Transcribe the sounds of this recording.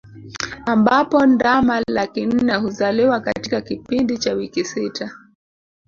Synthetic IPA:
ambapɔndamalakin̩nɛɦuzaliwaka̰tikakipindit͡ʃawikisita

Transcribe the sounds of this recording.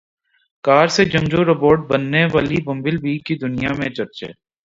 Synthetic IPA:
kaːɾsed͡ʒɐ̃md͡ʒoɾɐboːɾʈ̚bɐnːeʋaːlibʊ̃mbɪlbiːkid̪ʊnijamẽt͡ʃɐɾt͡ʃḛː

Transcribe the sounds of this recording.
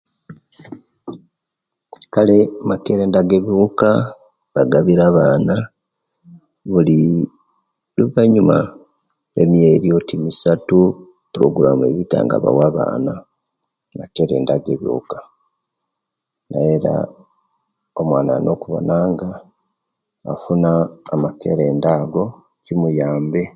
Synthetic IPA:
kale̞makeɾe̞ːndaɡe̞βiɣuka | βaɡaβiɾaβaːna | βuli | luβaɲuma | emieɾiotimisatu | puɾo̞ɡuɾamue̞βita̰ːŋɡa̰βa̰waːβa̰ːna | make̞ɾe̞ːndaɡe̞βjo̰ka | najeɾa̰ | omwaːna̰no̞kuβo̰naːŋɡa | afunaːmake̞ɾeːndaɡo̞ | cimujaːmbe

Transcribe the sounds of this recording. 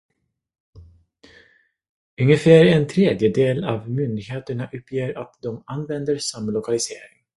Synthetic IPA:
ɵŋjəfæːɾɛnt̪ʰɾeːd̪jəd̪eːla̰vmʏnd̪ɪɡɦeːt̪əɳaʔɵpʰːjeːɾat̪d̪ɔmanvɛnd̪əsamːalʊkalɪseːɾɪŋ

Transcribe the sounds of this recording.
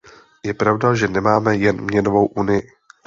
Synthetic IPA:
jɛpɾawdaʒɛnɛmaːmɛjɛnmɲɛnovo̞wʔunɪjɪ

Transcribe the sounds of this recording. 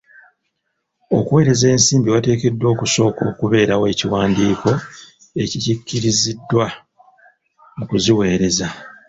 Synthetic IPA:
o̞̰kuwe̞ːɾe̞ze̞ːnsiːmbiwate̞ːke̞dːwo̞ːkuso̞ːko̞ːkuβe̞ːɾawe̞ːciwaːndiːko̞ | e̞cicicʰːiɾizidːwa | mukuziwe̞ːɾe̞za

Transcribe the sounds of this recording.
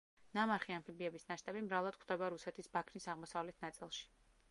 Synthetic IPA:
namaɾχianpʰibiɛbisnaʃt̪ʼɛbimɾavlˠad̪̥kχd̪ɛbaɾusɛt̪ʰisbakʰnisaʁmɔsavlɛt̪ʰnat̪sʼilˠʃi̥

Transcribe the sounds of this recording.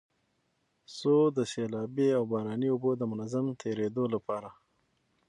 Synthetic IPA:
sod̪əselɑbiawbɑɾɑniʊbod̪əmʊnazamt̪ʰeɾed̪olapɑɾa

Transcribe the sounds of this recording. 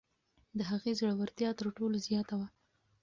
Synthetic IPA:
d̪əɦaɣezɽəwaɾt̪jɑt̪əɾʈolozjɑt̪awa

